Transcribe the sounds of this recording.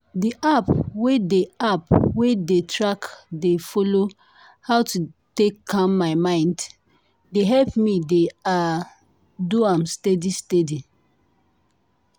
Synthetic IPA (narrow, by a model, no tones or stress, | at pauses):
diʔapwedeapwedetʰɹakdefɔlo | hawtutekːãmːaɪmãɪ̃nd | deɦɛlpmidea | duãmstedistedi